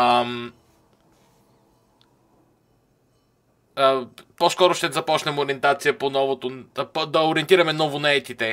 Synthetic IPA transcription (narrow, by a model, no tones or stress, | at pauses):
m | əposkɔɾʊʃt̪ɛzɐpɔt͡ʃnɛmoɾʲiɛnt̪at̪sijəponɔvot̪opod̪ɐoɾiɛnt̪iɾɐmɛnɔvonɐɛt̪it̪ɛ